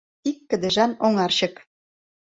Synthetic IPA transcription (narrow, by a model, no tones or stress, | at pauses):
t̪ikːə̆d̪ɘ̆ʒɑnoŋɑrɕɤ̆k